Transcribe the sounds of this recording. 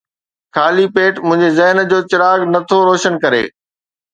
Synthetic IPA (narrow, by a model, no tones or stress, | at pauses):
kʰaːlipeːʈmʊ̃ɦɪ̃ɲd͡ʑezɐɦnd͡ʑoːt͡ɕɪɾaːɡnɐt̪ʰoɾoːʃənkɐɾḛː